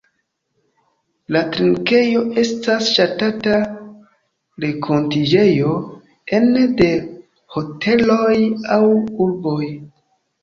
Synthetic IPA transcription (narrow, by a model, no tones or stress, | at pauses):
latɾiŋke̞jo̞ʔe̞stasʃatata | ɾe̞kʰo̞ntid͡ʒe̞jo̞ | ende̞ | ho̞tʰe̞lo̞jawuɾbo̞j